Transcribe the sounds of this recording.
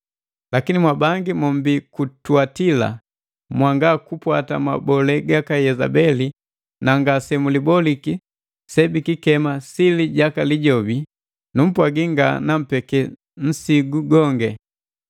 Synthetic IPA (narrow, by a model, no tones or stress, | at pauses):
lakinimwabaŋɡimɔm̩bikutwatila̰ | mwaŋɡakupwata̰ma̰bɔlɛɡakajɛza̰bɛli | naŋɡasɛmulibɔliki | sɛbikikɛmasiliɟakaliɟɔbi | num̩pwaɡiŋɡa̰nam̩pɛkɛ | n̩siɡuɡɔŋɡɛ